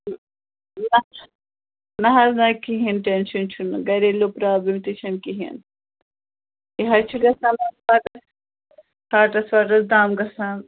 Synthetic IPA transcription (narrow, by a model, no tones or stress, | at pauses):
nɐ | nɐɦɐznɐkiɦinʈenʃunt͡ʃʰunɡɐɾelopɾaːbimt̪it͡ʃʰɐnkiɦḭn | iɦɐt͡ʃʰuɡɐsɐmɐsʋaːʈɐs | haːʈɐsaːʈ̬ɐsd̪aːmɡɐsan